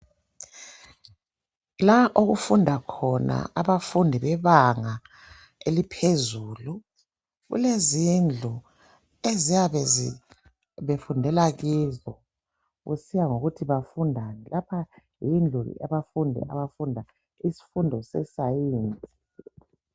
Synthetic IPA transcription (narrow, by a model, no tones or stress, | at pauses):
laʔoɣufundʱakʰɔna̰aβafundʱiβɛβaŋa | elipʰezuːlu | ɣṵlezind͡ɮʱu | ezijaβɛ | βefundʱɛlaɣiːzɔ | ɣusijaŋoɣutʰiβafundʱanɛlapʰa | jind͡ɮʱul̰aβafundʱɛ̰ʔa̰βafundʱa | isi̥fundʱɔsɛsajiːnt͡sʼi̥